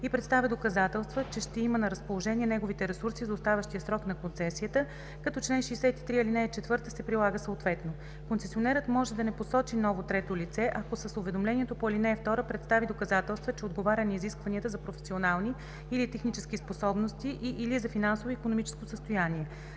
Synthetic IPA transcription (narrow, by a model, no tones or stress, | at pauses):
ipɾɛt̪st̪avʲəd̪okɐzat̪ɛlˠst̪vət͡ʃɛʃt̪ɛimənɐɾəspolˠoʒɛniɛnɛɡovit̪ɛɾɛsuɾsizɐʊst̪avʲəʃt̪ijəsɾɔknɐkonsɛsiət̪ə | kɐt̪ɔt͡ʃlɛnʃiɛsɛt̪i̥t̪ɾiilinɛɛt͡ʃɛt̪vɤɾt̪əsɛpɾilˠaɡəsəot̪vɛt̪no | konsɛsionɛɾət̪mɔʒɛd̪ɐnɛposɔt͡ʃinɔvot̪ɾɛt̪olit̪sɛʔɐkosəsʊvɛd̪omlɛniɛt̪opoilinɛːft̪ɔɾəpɾɛt̪st̪avid̪okɐzat̪ɛlˠst̪vət͡ʃɛod̪ɡovaɾʲɐniiziskvɐniət̪əzɐpɾofɛ̥sionalˠniː | lit̪ɛxnit͡ʃɛskʲisposɔbnost̪iʔiʔilizɐfinansovoikonomit͡ʃɛ̥skosəst̪ojaniɛ